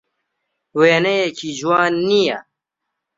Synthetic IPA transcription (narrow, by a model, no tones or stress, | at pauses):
weːnejekʰiʒwɑːnːija̰